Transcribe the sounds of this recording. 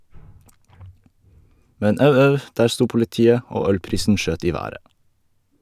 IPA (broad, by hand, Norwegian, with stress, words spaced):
ˈmɛɲ ˈɑʉ ˈɑʉ ˈdæːɾ ˈstuː pʊlɪˈtiːə ˈoː ˈœlˌpɾiːsn̩ ˈʃøːt ˈiː ˈʋæːɾə